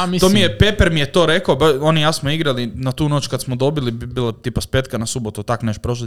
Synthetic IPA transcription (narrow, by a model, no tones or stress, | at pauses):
mt̪oːmijepepeɾmijet̪o̞ːɾekaobaonijasmoiɡɾalinat̪uːno̞t͡ʃkad̪smod̪o̞bilibbiːlat̪ipaspet̪kanasubot̪ut̪aknet͡ʃpɾoʃ̬at̪